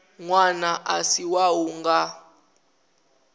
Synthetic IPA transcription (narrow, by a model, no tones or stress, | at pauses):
ŋwanaʔasiwawuŋɡa